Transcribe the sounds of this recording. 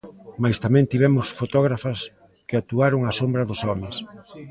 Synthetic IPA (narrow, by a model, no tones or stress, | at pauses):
majst̪amɛ̃nt̪iβ̞ɛmʊsfot̪ɔɣ̞ɾafɐs | kɪat̪uaɾʊŋasombɾɐðʊsɔmɪs